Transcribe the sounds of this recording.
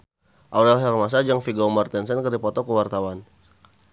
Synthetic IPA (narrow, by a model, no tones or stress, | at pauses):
ʔawdɛlɦɛrmas̬ad͡ʒaŋfiɡamart̪ɛns̬ɛnkərdipɔt̪ɔkəwart̪awan